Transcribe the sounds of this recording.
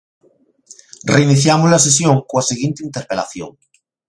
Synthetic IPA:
reiniθjamozlas̬esjoŋkoaseɣjent̪eint̪eɾpela̰θjo̰ŋ

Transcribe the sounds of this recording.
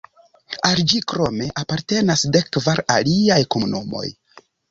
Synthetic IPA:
ald͡ʒikɾo̞me̞ʔapaɾte̞nasde̞kːvaɾaliajkomunumo̞̰j

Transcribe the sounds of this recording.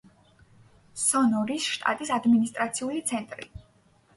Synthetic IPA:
sɔnɔɾisʃt̪ʼa̰t̪ʼisad̪minist̪ʼɾat̪sʰiulit̪sʰɛnt̪ʼɾḭ

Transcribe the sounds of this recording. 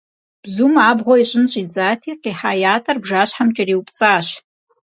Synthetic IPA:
b̥zumaːbʁʷoiɕʷʼɪnɕʷʼid͡zʼaːtʰiqiħajaːtʼɐrbʐaːɕħamt͡ʃʼɪriwpʼt͡sʼaːʃ

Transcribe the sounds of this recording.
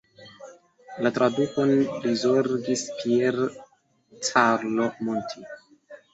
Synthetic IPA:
latɾadukonlizoɾɡispiel | t͡saɾlo̞montʰi

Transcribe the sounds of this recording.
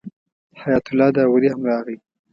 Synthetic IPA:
hajɑt̪ʊlːɑd̪awaɾihamɾɑɣi

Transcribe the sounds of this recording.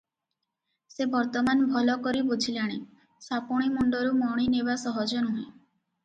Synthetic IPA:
sebɔɾt̪ɔmanbʱɔlɔkɔɾibud͡ʒʱʰilaɽ̃i | sapɔɽ̃imuɳɖɔɾumɔɽ̃inebasɔɦɔd͡ʒɔnuɦẽ

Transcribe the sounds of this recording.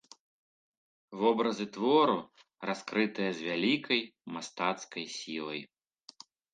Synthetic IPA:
vɔbɾɐzɨt̪vɔɾu | raskɾɨt̪ɨjɐzʲvʲalʲikɐjmast̪at̪skɐjsʲilˠɐj

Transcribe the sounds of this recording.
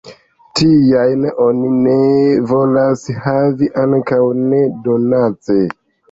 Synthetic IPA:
tijajno̞nine̞vo̞lashaviʔaŋkawne̞do̞nat͡se

